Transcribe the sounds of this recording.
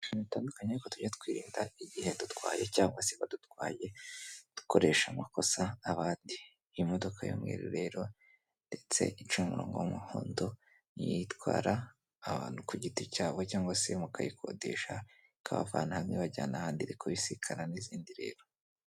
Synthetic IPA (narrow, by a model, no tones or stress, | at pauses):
itaːndukaɲeukotuɟatkwiːɾiːndaiɟihe̞dutwa̰ːjecaːŋɡwaseβadutwaːje̞d̥u̥ko̞ɾe̞ʃamako̞saːβaːndi | modo̞kʰajo̰mɡḛɾḭɾe̞ɾo̞ | nde̞t͡se̞̰ʔit͡ʃuumuɾo̞ːŋɡo̞̰umuho̰ːndo̞ | nḭjitkwaːɾaː | βaːnhukuɟiticaːβo̞caːŋɡwasemukajikʰo̞̰dḛʃa | kʰaβa̰fa̰nahamɲiβaɟaːnahaːndiɾikʰoβisikʰaɾaniziːndiɾe̞̰ːɾo̞